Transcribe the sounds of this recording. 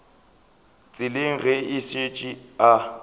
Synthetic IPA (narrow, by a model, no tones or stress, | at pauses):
t͡sʼɪlɪŋ̩ɣɛɪset͡ʃʼia